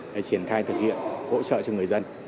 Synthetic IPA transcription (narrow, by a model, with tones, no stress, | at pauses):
ɗe˧˩t͡ɕi˧˩ənxaː˧jt̪ʰɨ˨˩k̚hḭ˧˨ənho̰˧˥t͡ɕə̰ː˧˨t͡ɕɔ˧ŋɨ˨˩əjzə˧n